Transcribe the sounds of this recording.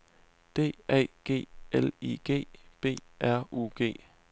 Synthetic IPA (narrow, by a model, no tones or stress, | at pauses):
d̥e̝̰ːɛ̰ːɡ̥e̝̰ːeliɡ̥e̝̰ːb̥e̝̰ːʔæɐ̰ʔṵːɡ̥e̝̰ː